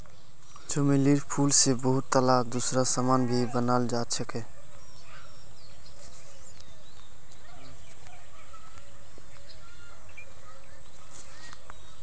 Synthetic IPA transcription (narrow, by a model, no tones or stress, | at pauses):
d͡ʒomeliɾpʰulsebəɦut̪ːəlad̪usɾasamanbʱibənald͡ʒat͡ʃʰɛke